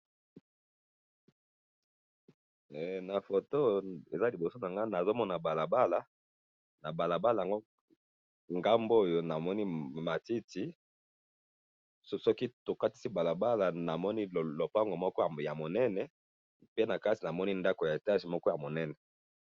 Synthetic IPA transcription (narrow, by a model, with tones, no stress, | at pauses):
ɛ˨na˨fo˨to˦ḛ˨za˦li˨bo˨so˦na˨ŋɡa˦na˨zo˦mɔ˦na˨ba˨la˨ba˦la˨ | na˨ba˨la˨ba˦la˨ja˨ŋɡo˦ | ŋɡa˦mbo˦˨jo˨na˨mɔ˦ni˦ma˨ti˦ti˨˦ | sɔ˦ki˦to˨ka˦ti̥˦si˦ba˨la˨ba˦la˨na˨mɔ˦ni˦˨lo˨pa˦ŋɡo˨mɔ˦kɔ˦˨ja˨mo˨nɛ˦nɛ˨ | pe˦na˨ka˦ti˨na˨mɔ˦ni˦nda˦ko˨ja˨e˨ta˦ʒi˨mɔ˦kɔ˦ja˨mo˨nɛ˦nɛ˨